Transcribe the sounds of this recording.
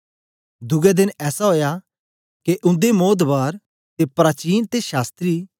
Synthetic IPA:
d̪ʊɡɛd̪ɪnɛːsaɦoːja | keʔʊ̃nd̪emoːt̪baːɾ | t̪epɾaːt͡ʃiːnt̪eʃaːst̪ɾi

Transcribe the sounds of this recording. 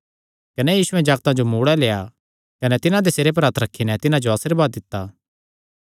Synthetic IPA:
kɐnɛjiːsʊɛ̃d͡ʒaːɡt̪ãd͡ʒomuːɽɛleːja | kɐnɛt̪ɪnãd̪eseːɾep̬ɐɾaːt̪ɾɐkʰːinɛt̪ɪnãd͡ʒoaːsiɾbaːd̪ːɪt̪ːaː

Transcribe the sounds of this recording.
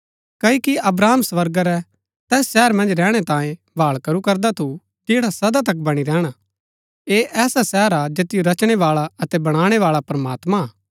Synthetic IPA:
kɐikiʔɐbɾaːmsʋɐɾɡaɾɛ | t̪ɛːsʃɛːɾmɐ̃nd͡ʒɾɛːɽ̃ɛt̪ãːjẽ | bʱaːɭkɐɾukɐɾd̪at̪ʰu | d͡ʒeːɽasɐd̪at̪̬ɐkbɐɽ̃iɾɛːɽ̃a | eʔɛːsasɛːɾad͡ʒeːt̪ɪjoɾɐt͡ʃɽ̃eʋaːɭaɐt̪ɛbɐɽ̃aːɽ̃eʋaːɭapɾɐmaːt̪mã

